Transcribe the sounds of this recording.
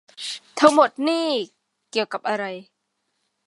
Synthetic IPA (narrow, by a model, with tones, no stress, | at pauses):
t̪ʰa˦˥ŋmo˨˩t̪̚niː˥˩ | ki˨˩əwka˨˩p̚ʔa˧ɾa˧j